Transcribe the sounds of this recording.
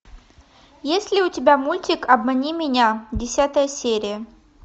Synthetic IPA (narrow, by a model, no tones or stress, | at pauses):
jesʲlʲɪʊtʲɪbʲamulʲtʲɪkɐbmɐnʲimʲɪnʲadʲɪsʲat̪əjəsʲeɾʲɪjə